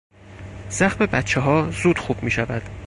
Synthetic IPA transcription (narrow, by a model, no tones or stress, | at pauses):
z̥æxmebæt̪t͡ʃʰːeɦɒːzuːd̪̥xuːb̥miːʃævæd̪̥